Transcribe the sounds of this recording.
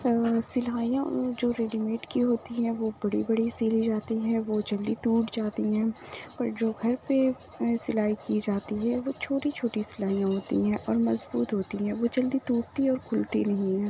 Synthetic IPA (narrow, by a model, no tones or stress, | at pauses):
sɪlaːijãd͡ʒoːɾeːɖimeːʈkiɦoːt̪iɦɛ̃ʋobɐɽibɐɽisiːlid͡ʒaːt̪iɦɛ̃ʋod͡ʒɐld̪it̪uːʈd͡ʒaːt̪iɦɛ̃ːpɐɾd͡ʒoːɡʱɐɾpe | sɪlaːikid͡ʒaːt̪iɦɛʋot͡ʃʰoːʈit͡ʃʰoːʈisɪlaːijãɦoːt̪ḭɦɛ̃ʔɔːɾmɐzbuːt̪ɦoːt̪iɦɛ̃ːʋod͡ʒɐld̪it̪uːɽt̪iɔːɾkʰʊlt̪ḭnɐɦĩɦɛ̃ː